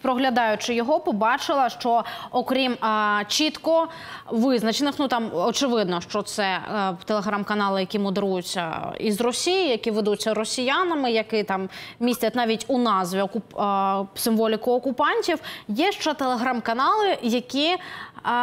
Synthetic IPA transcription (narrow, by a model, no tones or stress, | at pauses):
pɾɔɦlʲɐd̪ɑjʊt͡ʃɪjɔɦɔpɔbɑt͡ʃɪlˠɐʂt͡ʃɔɔkɾʲimt͡ʃit̪kɔ | ʋɪznɐt͡ʃenɪxnut̪ɑmɔt͡ʃɪʋɪd̪nɔʃt͡ʃɔt̪sɛt̪elˠeɦɾamkɐnɑlˠɨjɐkʲimʊd̪eɾujʊt͡sʲːɐ̰ḭzrɔsʲijɪjɐkʲiʋed̪ut͡sʲːɐɾɔsʲijanɐmɪjɐkɪt̪ɑmmʲisʲtʲɐtʲnɑʋʲitʲʊnɑzʋʲiɔkʊpsɨmʋɔlʲɪkʊɔkʊpɑnʲtʲiwjɛʃt͡ʃɔt̪elˠeɦɾamkɐnɑlˠɪjɐkʲi